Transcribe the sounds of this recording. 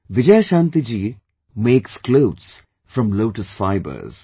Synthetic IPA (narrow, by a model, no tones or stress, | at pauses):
ʋɪd͡ʒajʃãnt̪id͡ʒiː | meːkskloːts | fɾʌ̃mloːʈəsfaɪbə̰ɾz̥